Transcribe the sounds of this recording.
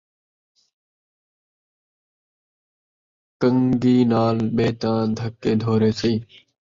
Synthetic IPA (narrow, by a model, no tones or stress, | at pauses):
kəŋɡiːnaːlɓeːt̪ãːd̪ʱəkːeːd̪ʱoːɾeːsiː